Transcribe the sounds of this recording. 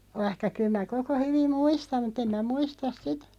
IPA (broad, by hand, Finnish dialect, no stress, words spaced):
ʋɑĭhkɑ kyl mæ koko hyʋim muistɑm mut em mæ muistɑs sitæ̥